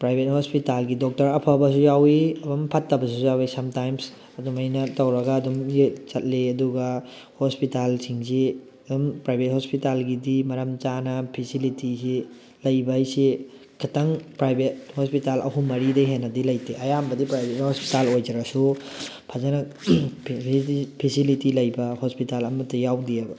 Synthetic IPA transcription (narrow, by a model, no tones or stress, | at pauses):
pɾajbʱet̚hospitalɡidɔk̚tɐɾɐpʰabɐs̬ujawiɐbɐmpʰɐtːɐbɐs̬ujawisɐmtajms | ɐdumɐjnɐtɐwɾɐɡaːdumjet͡ʃɐt̚leɐduɡɐ | hospitalsiŋse | ɐdumpɾajbʱet̚hospitalɡidimɐɾɐmt͡ʃanɐpʰisilitise | lɐjbɐjse | kʰɐtɐŋpɾajbʱet̚hospitalʔɐ̰ɦumːɐɾidɐjɦenɐdilɐjtʰeʔɐjambɐdipɾajbʱethospi̥talojd͡ʒɐɾɐsupʰɐzanɐ | pʰisilitilɐjbɐhospitalɐmɐtːɐjawdiabɐ